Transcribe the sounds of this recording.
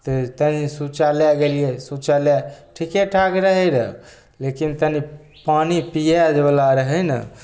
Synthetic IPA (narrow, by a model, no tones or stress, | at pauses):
t̪ət̪ənisut͡ʃaljaɡelijesut͡ʃaljaʈʰikeʈʰakɾəɦəɾə | lekint̪əni | panipijad͡ʒebəlaɾəɦəjnə̰